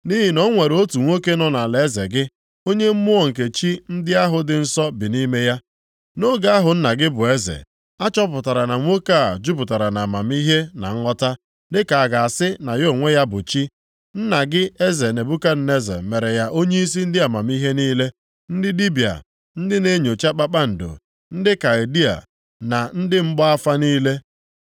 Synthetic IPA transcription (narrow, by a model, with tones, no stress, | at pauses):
ni˦ɦɪ˨nɔ˦ŋʷe˨ɾo˦tu˨ŋʷo˦ke˦nɔ˦na˨le˨e˦zḛ˨ɡɪ˦ | o˦ɲe˦m̩˦mʊ˦ɔ˨ŋ̩˨k̬e˨t͡ʃi˦n̩˦dɪ˦a˦ɦʊ˨dɪ˨n̩˦sɔ˦bɪ˨ni˦me˦ja˦ | no˦ɡa˦a˦ɦʊ˨n̩˦na˨ɡɪ˦bʊ˨e˦zḛ˨ | a˦t͡ʃɔ˦pʊ˨ta˨ɾa˨na˨ŋʷo˦ka˦˨d͡ʒu˦pʊ˨ta˨ɾa˨na˨a˨ma˨m˦i˦ɦe˦na̰˨ŋ̩˦ŋɔ˦ta˦ | dɪ˦ka˨a˨ɡa˨a˨sɪ˦na˨jo˦˨ŋʷe˦ja˦bʊ˨t͡ʃi˦ | n̩˦na˨ɡɪ˦e˦ze˨ne˨bu˦ka˦n̩˦ne˦zḛ˨me˨ɾe˨ja˦ʔo˦ɲe˦i˦s̬i˦n̩˦dɪ˦a˨ma˨m˦i˦ɦe˦niː˦le˦ | n̩˦dɪ˦di˦bi˨a̰˨ | n̩˦dɪ˦ne˦ɲo˨t͡ʃa˦k͡pa˦k͡pa˦n̩˨do̰˨ | n̩˦dɪ˦ka˨e˨di˦a̰˨ | na˨n̩˦dɪ˦m̩˦ɡ͡bɔ˦a˦fa˦niː˦le˦